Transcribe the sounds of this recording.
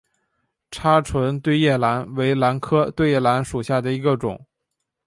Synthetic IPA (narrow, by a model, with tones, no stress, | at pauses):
ʈ͡ʂʰa˥ʈ͡ʂʰwə˧˥nt̪we˥˧ɪjɛ˥˩la˧˥nwe˧˥ɪla˧˥nkʰɤ˥t̪we˥˧ɪjɛ˥˩la˧˥nʂu˨˩ɕja˥˩d̪ə˩i˧˥ɡə˧ʈ͡ʂʊ̰˨˩˦ŋ